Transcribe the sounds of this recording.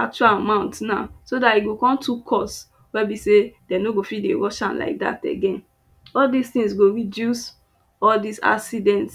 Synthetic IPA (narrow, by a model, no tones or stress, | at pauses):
ak̚t͡ʃualamãʊ̃ntna̰sodaiɡokɔ̃mtʰukʰɔs | wɛbisedɛnoɡofidḛwɔʃãnla̰ɪk̚da̰tɛ̰ɡɛ̃n | ɔldistĩŋsɡoɹidjus | ɔldisa̰sidɛ̃nts